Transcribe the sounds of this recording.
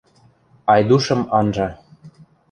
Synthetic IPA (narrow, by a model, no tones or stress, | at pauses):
ɑjd̪uʃɤ̆mɑnʒɑ